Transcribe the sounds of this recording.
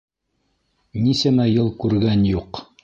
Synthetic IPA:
nisæmæjɤlˠkʉɾɡænjuq

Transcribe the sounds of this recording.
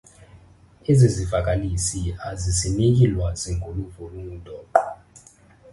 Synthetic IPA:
ezizivak̬ʼalisiazisinik̬ilwaziŋkʼuluvɔluŋud̥ʱʼɔːǃa

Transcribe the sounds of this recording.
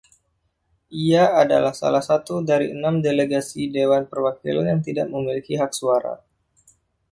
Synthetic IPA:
ʔiaːda̰lahsa̰lahsat̪udaɾiənamdeleɡasidewanpərwakḭla̰njaŋt̪idaʔ̚məmilikiɦak̚suaɾa̰

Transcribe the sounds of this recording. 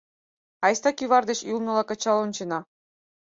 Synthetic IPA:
ɑjst̪ɑkʲyβɑrd̪eɕulˠnɤ̆lˠɑkɑ̆t͡ɕɑlˠont͡ɕenɑ

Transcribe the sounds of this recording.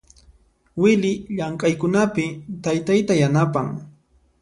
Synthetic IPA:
wɪlɪʎaŋkʼajkʊnapɪt̪ajt̪ajt̪ajanapaŋ

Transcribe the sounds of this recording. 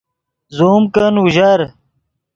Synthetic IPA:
zoːmkənuʑɐɾ

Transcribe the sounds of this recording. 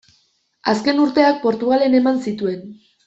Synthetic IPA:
aske̞nuɾt̪e̞ak̚po̞ɾt̪uɣale̞ne̞mansit̪ue̞n

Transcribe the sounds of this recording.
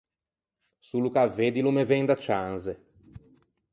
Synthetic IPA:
sulukaved̪ilumeveŋd̪at͡ʃanze

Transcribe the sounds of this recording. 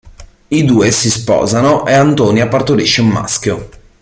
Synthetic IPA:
id̪uːesispɔ̰ːzanoʔeant̪oːniapːart̪oɾiʃːeumːa̰skjo

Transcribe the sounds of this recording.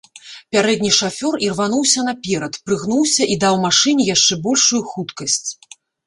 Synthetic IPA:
pʲaɾɛd̪ʲnʲiʂafʲɔrirvan̪uwsʲɐnapʲɛɾɐt̪pɾɨɣnuwsʲɐʔid̪awmaʂɨnʲijaʂt͡ʂɛbɔlʲʂujuxut̪kɐsʲt͡sʲ

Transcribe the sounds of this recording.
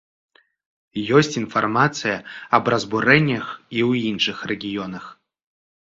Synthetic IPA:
jɔsʲtʲinfarmat̪t͡s̪ɨjaɐbrɐzburɛnʲɐxiwinʂɨxrɛɡʲijɔnɐx

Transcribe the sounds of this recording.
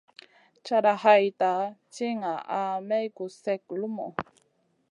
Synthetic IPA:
t͡ʃaɾahajtat͡ʃiŋaʔamejkusɛk̚lumo̰

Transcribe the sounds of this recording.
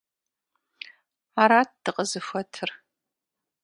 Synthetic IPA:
maɾaːt̚d̥ɨqʼəzɨfʷɐtʰɨr

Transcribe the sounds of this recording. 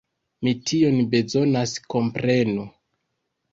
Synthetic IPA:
mitʰio̞nbe̞zo̞nasko̞mpɾe̞nu

